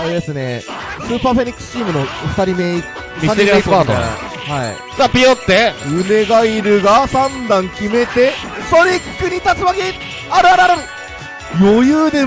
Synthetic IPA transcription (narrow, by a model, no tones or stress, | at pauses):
aɾed̪e̞sɨne̞̰ | sɨːpaːɸe̞ɲ̟ʲikːsɨ̥t͡ɕiːmɯ̟noɸɯ̟t̪aɾʲimei | maɾiaaːt̪o̰ | haḭ | zaːpʲiot̪ːejɯ̟me̞ɡaiɾɯ̟ɡasãnd̪ãŋkʲime̞t̪e̞ | soɾʲikkːɯɲ̟it̪at͡sɨβaɡʲi | aɾɯ̟aɾɯaɾɯ | jojɯːd̪e̞